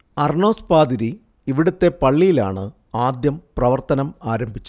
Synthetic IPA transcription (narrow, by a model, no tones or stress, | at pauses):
ɐrɳo̞ːspaːd̪iɾi | iʋiɽut̪ːe̞pɐɭːijila̰ːɳɨ | aːd̪jɐmprɐʋɐrt̪ɐnɐmaːɾɐmbʱit͡ɕːu